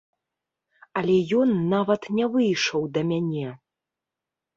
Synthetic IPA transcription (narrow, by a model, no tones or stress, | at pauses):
ɐlʲɛjɔnːavɐt̪nʲɛvɨjʂɐwd̪ɐmʲanʲɛ